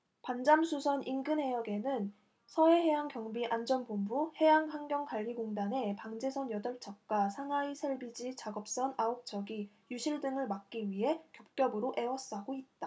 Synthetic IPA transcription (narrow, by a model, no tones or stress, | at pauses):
pand͡ʑamsʰusʰʌninɡɯnɦe̞jʌɡe̞nɯn | sʰʌe̞ɦe̞jaŋkjʌŋbiʔand͡ʑʌnbombuhe̞jaŋpaŋɡjʌŋkaʎːiɡoŋdane̞paŋd͡ʑe̞sʰʌnjʌdʌɭt͡ɕʰʌk̚k͈wasʰaŋaisʰeɭbid͡ʑit͡ɕaɡʌp̚s͈ʌnaok̚t͡ɕ͈ʰʌɡi | juɕʰiɭdɯŋɯɭmak̚k͈iɥiɦe̞kjʌp̚k͈jʌbɯɾoʔe̞wʌs͈aɡoit̚t͈a